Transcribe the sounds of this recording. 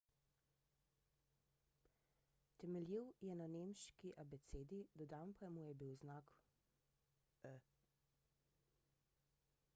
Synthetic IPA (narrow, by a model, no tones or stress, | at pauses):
t̪ɛmɛljiwjɛnanemʃkiʔabɛt̪seːd̪id̪ɔd̪aːnpamujɛbiwznak | ə